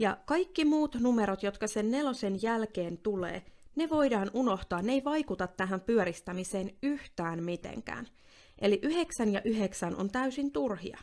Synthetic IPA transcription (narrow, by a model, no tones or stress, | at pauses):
jɑkɑjkːimuːt̪nume̞ɾot̪jo̞t̪kɑse̞nːe̞lo̞se̞njælkeːnt̪ulḛːne̞ʋo̞jdɑːnʔuno̞ht̪oɑːnːe̞jʋɑjkut̪ɑt̪ːæɦæmpyøɾist̪æmise̞ːnyht̪æːnmit̪ḛŋkæ̰ːn | ʔe̞liʔyɦe̞ksænjɑʔyɦe̞ksænʔont̪æysint̪urɦḭɑ̰